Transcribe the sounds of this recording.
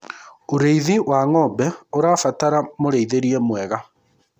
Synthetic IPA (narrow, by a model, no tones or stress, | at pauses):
oɾeiðiwaŋɔbɛoɾafataɾamoɾeiðeɾiɛmwɛɣa